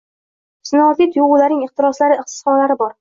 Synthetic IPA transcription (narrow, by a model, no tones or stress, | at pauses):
sɪnɒːt̪it̪ʰʊjʊʁʊlaɾnɪŋɪχt̪ɪɾɒslaɾɪɪχt̪ɪ̥sχɒnalaɾɪbɒɾ